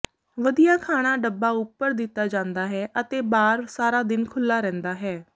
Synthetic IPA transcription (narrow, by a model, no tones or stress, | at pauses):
ʋəd̪ijaːkʰaːɽ̃aːɖəbːaːʊpːəɾd̪ɪt̪ːaːd͡ʒãːnd̪aːɦɛːʔət̪eːbaːɾsaːɾaːd̪ɪnkʰʊlːaːɾɛ̃ːnd̪aːɦɛː